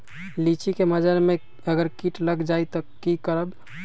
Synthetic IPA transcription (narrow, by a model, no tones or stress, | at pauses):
lit͡ʃikeməd͡ʒaɾme | əɡəɾkiʈləɡd͡ʒait̪ɔkikəɾəb